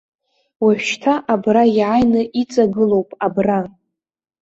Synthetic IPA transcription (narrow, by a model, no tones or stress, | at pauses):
waħʷᶣʃtʰaʔabrajʕajnɨʔit͡sʼaɡɨlo̞wpʼabra